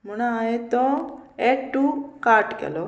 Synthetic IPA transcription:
muɽ̃aaet̪ɔeʈːukaɾʈkɛ̰lɔ

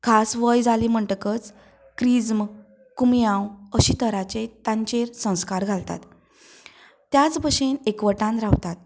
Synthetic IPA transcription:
kʰasʋəjd͡zʱalim̤əɳʈəkət͡s | kɾid͡zm | kumjãwəɕit̪əɾat͡ɕet̪ãɲt͡ɕeɾsə̃w̃skaɾɡʱalt̪a̰t̪ | jat͡sbəɕenekʋəʈãnɾawt̪at̪̚

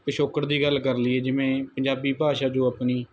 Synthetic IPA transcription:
kəʃoːkəɾd̪iːɡəlːkəɾliːɛːd͡ʒɪʋẽːpəɲd͡ʒaːbiːpaːʃaːd͡ʒõːapniː

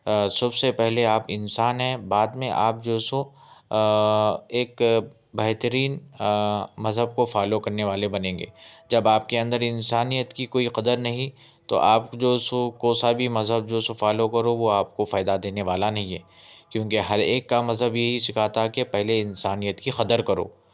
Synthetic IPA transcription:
sɐbsepɛɦleaːpɪnsaːnɦɛ̃baːd̪mẽʔa̰ːp̚d͡ʒoːsõ | eːk | bɛɦt̪əɾiːn | mɐzɦəb̚kofaːlokɐɾneʋaːlebɐnẽːŋɡḛːd͡ʒɐbaːp̚keɐ̃nd̪əɾɪnsaːnijət̪kikoːiqɐd̪əɾnɐɦĩ | t̪o̰ʔaːpd͡ʒoːsõkoːsabʱimɐzɦəb̚d͡ʒoːsõfaːlokɐɾoʋoaːp̚kofaːd̪ad̪eːneʋaːlanɐɦĩɦɛ̰ː | kjõːkeɦɐɾeːkːamɐzɦəbjeɦisɪkʰat̪akepɛɦleɪnsaːnijət̪kixɐd̪əɾkɐɾo̰ː

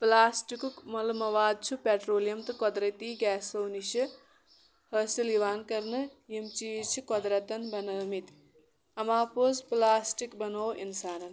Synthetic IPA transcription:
plaːsʈikukmɐlmɐʋaːd̪̚t͡ʃʰupeːʈɾoːlijɐmt̪ɨkod̪ɾɐt̪iːɡɛːsowniʃɐ | hɐsiliʋaːnkɐɾnɨjimt͡ʃiːzt͡ʃʰukɔd̪ɾɐt̪ɐnbɐnɐːmit̪ | ɐmaːpoːzplaːsʈikbɐnoːinsaːnɐn

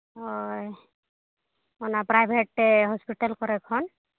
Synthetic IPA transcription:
ɔj | ɔnapɾajbʱeʈːeɦɔspiʈalkɔɾɛkʰɔn

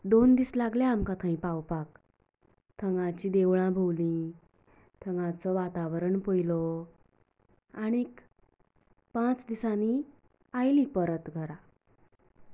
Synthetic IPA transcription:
d̪ond̪iːslaɡljamkat̪ʰə̃ĩpawpak | t̪ʰəŋɡãt͡ɕiːd̪eʋɭãbʱowlĩ | t̪ʰəŋɡãt͡sɔʋat̪aʋɾəɳpojlɔ | aɽ̃iek | pãt͡sd̪isani | ajlĩpəɾət̪ɡʱəɾa

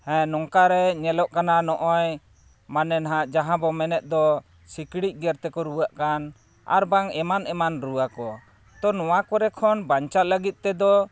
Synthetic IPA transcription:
hɛ̃nɔŋkaɾɛɲɛlɔʔkananɔʔɔj | manɛnɦaʔd͡ʒaɦãbɔmɛnɛt̪̚d̪ɔ | sikɽic̚ˀɡɛɾt̪ɛkɔɾuwaʔkan | a̰ɾbaŋɛmanɛmanɾuwakɔ | t̪ɔnɔwakɔɾɛkʰɔnbaɲt͡ʃat̪̚ləɡit̪̚t̪ɛd̪ɔ

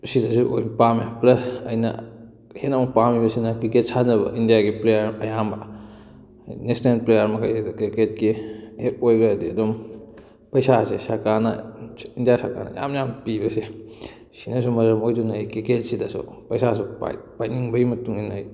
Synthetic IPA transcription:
sidɐsuʔo̰jnpameplɐsɐjnɐ̰ | henamɐpamibɐsinɐkɾiket̚sanɐbɐ̰ʔindijaɡiplejɐɾɐjambɐ | nesnelplejɐɾmɐkʰa̰jsedɐkiket̚kihet̚ojɡaɐdiɐdom | pɐjsasesɐɾkaɾnɐindijasa̰ɾka̰ɾnɐ̰ja̰mjampibɐse | sinɐs̬umɐɾɐmojdunɐkɾiket̚sidɐsṵpɐjsasupa̰jpajniŋbɐimɐtuŋinaj

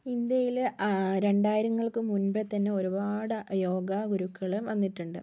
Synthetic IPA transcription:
ind̪jɐjilɾe̞ɳɖaːjiɾɐŋːɐɭkɨmunbet̪ːɐnːe̞o̞ɾubaːɽɨjo̞ːɡɐɡuɾukːɐɭumʋɐnːiʈːuɳɖɨ

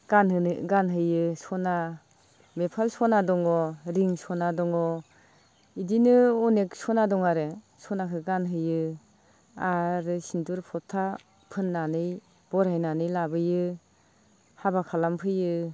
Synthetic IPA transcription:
ɡ̥anɦɯɡanɦɯjɯsɔna | mepʰalsɔnadɔŋɔɾiŋsɔnadɔŋɔ | idinɯɔneksɔnadɔŋaɾe | sɔnakʰɯɡanɦɯjɯ | aɾɯsintuɾpʰɔtʰa | pʰɯnːanɯj | b̥ɔɾajnanɯjlabɯjɯ | habakʰalampʰɯjɯ

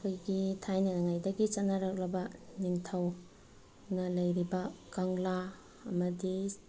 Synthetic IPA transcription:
kʰojɡitʰajnɐnaŋajdɐɡit͡ʃɐt̚nːɐɾak̚lɐbɐniŋtʰaw | nɐlɐjɾibɐkaŋlaː | mɐdi

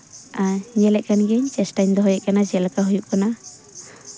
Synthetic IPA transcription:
aɲɛlɛʔkanɡɛɲt͡ʃɛsʈajɲd̪ɔɦɔjɛʔkanad͡ʒɛlakaɦujuʔkana

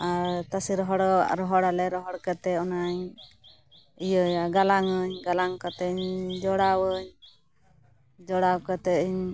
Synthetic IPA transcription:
aɾt̪asiɾɔɦɔɽɾɔɦɔɽalɛɾɔɦɔɽkat̪ɛɔnaɲ | ijəɲaɡalaŋəɲɡalaŋkat̪ɛɲd͡ʒɔɽawəɲ | d͡ʒɔɽawkat̪ɛiɲ

